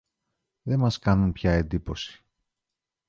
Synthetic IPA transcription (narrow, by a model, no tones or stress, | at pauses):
ðe̞mɐskɐnunpçɐe̞nd̪ipo̞si̥